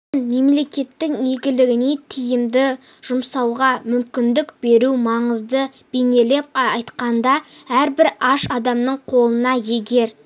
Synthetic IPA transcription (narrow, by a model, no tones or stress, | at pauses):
nme̞mle̞kʲe̞t̪ːɪŋje̞ɡʲɪlɪɡʲɪne̞t̪ʰijɪmd̪ɪ | ʒ̥ʊmsɑwʁɑmʏmkʲɪnd̪ɪkb̥e̞ɾumɑɴəzd̪ə | b̥e̞ne̞le̞p̚ːɑjt̪qɑnd̪ɑæɾbɪɾɑʃɑd̪ɑmnəɴqʰo̞lˠənɑje̞ɡʲe̞ɾ